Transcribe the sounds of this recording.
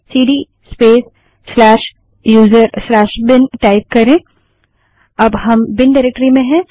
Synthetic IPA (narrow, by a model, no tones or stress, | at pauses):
siːɖiː | speːsː | lɛːʃ | juːzəɾslɛːʃbɪnʈaːɪp̚kɐɾẽː | ɐbɦɐmbɪnɖaɪɾek̚ʈəɾimẽɦɛ̃ː